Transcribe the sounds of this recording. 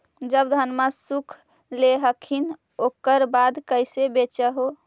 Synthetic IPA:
d͡ʒəbd̪ʱənmasukʰ | leɦəkʰin | okəɾbad̪kəjsebet͡ʃəɦo

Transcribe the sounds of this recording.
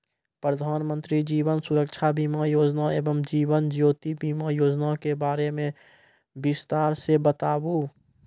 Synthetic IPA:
pɾəd̪ʱaːnmə̃nt̪ɾid͡ʒiːʋənsʊɾəkʃʰabimajoːd͡ʒnaeːbəmd͡ʒiːʋənd͡ʒjoːt̪ibiːmajoːd͡ʒnakebaːɾemẽ | bɪst̪aːɾsebət̪aːbu

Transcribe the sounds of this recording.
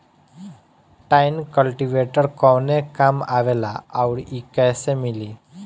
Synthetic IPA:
ʈajnkəlʈiʋeʈəɾkɔwnekamaʋela̰awɽikajsemiliː

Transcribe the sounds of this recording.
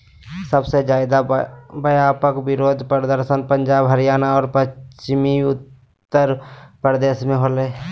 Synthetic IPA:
səbsed͡ʒaːɪd̪abəjaːpəkbɪɾoːd̪ʱpɾəd̪əɾsənpə̃nd͡ʒaːbɦəɾijaːnaɔːɾpəst͡ʃɪmiʊt̪ː | əɾpɾəd̪eːsmẽɦoːleː

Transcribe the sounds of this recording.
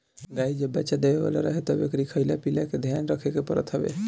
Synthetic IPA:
ɡaid͡ʒəbːətːt͡ʃad̪ebeβa̰la̰ɾəɦɛt̪əbḛkɾikʰəjlapilaked̪ʱjanɾəkʰekepəɾə̰t̪ɦəbḛ

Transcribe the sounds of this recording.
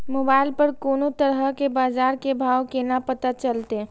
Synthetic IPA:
moːbaːɪlpɐɾkoːnot̪əɾəkebaːzaːɾkebʱaːʋkenapɐt̪at͡ʃɐlt̪e

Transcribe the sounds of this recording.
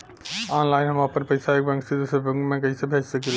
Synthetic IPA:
ɔnlaɪnɦəmapəɾpəɪsaeːk̚bɛ̃ŋksid̪usəbə̃kmẽkəɪsebʱet͡ʃsəkel

